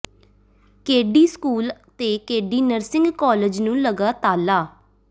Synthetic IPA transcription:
keːɖiːskuːlt̪eːkeːɖiːnəɾsɪ̃ŋɡkɔːləd͡ʒnũːləɡaːt̪aːlaː

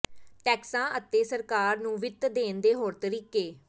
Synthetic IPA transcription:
ʈɛːksãːʔət̪ːeːsəɾkaːɾnũːʋɪt̪d̪eːnd̪eːɦoːɾt̪əɾiːkeː

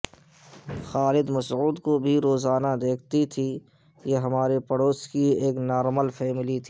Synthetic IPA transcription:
xaːlɪd̪mɐsuːd̪kobʱiɾoːzaːnad̪eːk̚ʰt̪it̪ʰi | jeɦɐmaːɾepɐɽoːskieːknɔːɾməlfɛːmɪlit̪ʰi̥ː

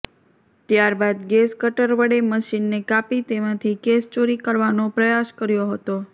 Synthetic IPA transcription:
t̪jaɾbad̪ɡeskəʈəɾʋəɽeməʃinːekapit̪emãt̪ʰikest͡ʃoɾikəɾʋanopɾəjaskəɾjoɦət̪o

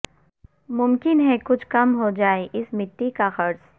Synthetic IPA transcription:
mʊmkɪnɦɛkʊt͡ʃʰkɐmɦod͡ʒaːeʔɪsmɪt̪ːikaxɐɾs

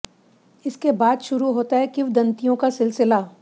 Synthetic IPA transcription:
ɪskebaːd̪ʃʊɾuɦoːt̪aɦɛkɪwd̪ɐ̃nt̪ijõkasɪlsɪla

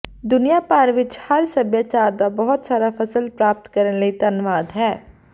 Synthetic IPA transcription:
d̪ʊnijapaːɾʋɪt͡ʃhɐɾsɐbjət͡ʃaːɾd̪abɐɦʊt̪saːɾafɐsəlpɾaːp̚t̪kɐɾənləit̪ɐnʋaːd̪ɦɛː

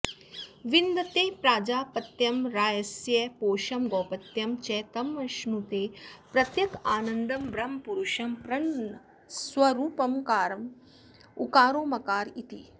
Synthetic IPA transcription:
ʋind̪ɐt̪eːpɾaːd͡ʒaːpɐt̪jɐmɾaːjɐsjɐpoːʃɐmɡɔːpɐt̪jɐmt͡ʃɛːt̪ɐmːɐʃnut̪eːpɾɐt̪jɐkaːnɐnd̪ɐmbɾɐmpuɾuʃɐmpɾɐɳɐ | swɐɾuːpɐmkaːɾɐm | ukaːɾoːmɐkaːɾit̪i

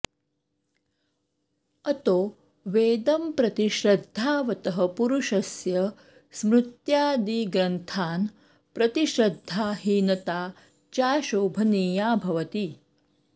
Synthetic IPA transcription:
ɐt̪oː | ʋeːd̪ɐmpɾɐt̪iʃɾɐd̪ʱːaːʋɐt̪ɐɦɐpuɾuʃɐsjɐ | smɾut̪jaːd̪iːɡɾɐnt̪ʰaːn | pɾɐt̪iʃɾɐd̪ʱːaːɦiːnɐt̪aː | t͡ʃaːʃoːbʱɐniːjaːbʱɐʋɐt̪i

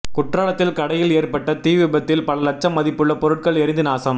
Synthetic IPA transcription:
kʊʈraːlɐt̪ːɪlkɐɽɐjɪleːrpɐʈːɐt̪iːʋɪbɐt̪ːɪlpɐlɐlɐt͡ʃːɐmːɐðɪpːɯɭːɐpɔɾɯʈ̚kɐɭɛɾɪnd̪ɯnaːsɐm

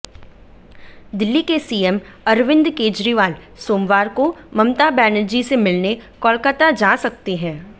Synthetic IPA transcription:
d̪ɪlːikesiːɛm | ɐɾʋɪ̃nd̪keːd͡ʒɾiʋaːl | soːmʋaːɾkomɐmt̪abɛːnəd͡ʒisemɪlnekɔːlkət̪ad͡ʒaːsɐk̚t̪iɦɛ̃ː

